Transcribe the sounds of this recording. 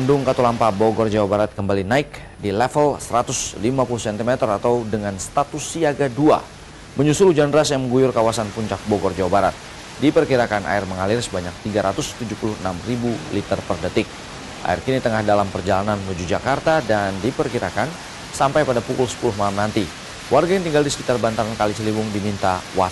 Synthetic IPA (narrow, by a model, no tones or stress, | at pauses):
andʊŋkat̪ulampaboɡɔrd͡ʒawabaɾat̪̚kəmbalinaɪk | dilɛfəlsəɾat̪ʊslimapulʊhsɛnt̪imɛt̪ərat̪awdəŋanst̪at̪ʊsːiaɡadua̰ | məɲusʊlud͡ʒandəɾasjaŋməŋɡujʊrkawasanpuɲt͡ʃak̚boɡɔrd͡ʒawabaɾat̪̚ | dipərkiɾakanʔa̰ɪrməŋalɪrsəbaɲak̚t̪iɡaɾat̪ʊst̪ud͡ʒupulʊhənamribulit̪ərpərdət̪ɪk̚ | ʔa̰ɪrkinit̪əŋahdalampərd͡ʒalanannud͡ʒud͡ʒakart̪adandipərkiɾakan | sampajpadapukʊlsə̥pulʊhmalamnant̪i | wʔarɡajaŋt̪iŋɡaldisə̥kit̪arbant̪aɾankalit͡ʃəlibʊŋdimint̪awa̰